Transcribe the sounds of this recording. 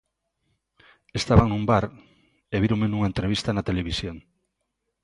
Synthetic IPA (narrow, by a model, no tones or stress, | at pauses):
est̪aβaŋnũmbaɾ | eβiɾoŋmenuŋaent̪ɾeβist̪anat̪eleβisjoŋ